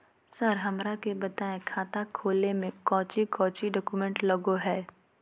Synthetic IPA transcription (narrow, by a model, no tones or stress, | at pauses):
səɾɦɐmɾakebɐt̪aːekʰaːt̪akʰoːlemẽkɔ̃ːt͡ʃikɔ̃ːt͡ʃiɖɔːkumẽɳʈlɐɡoɦɛː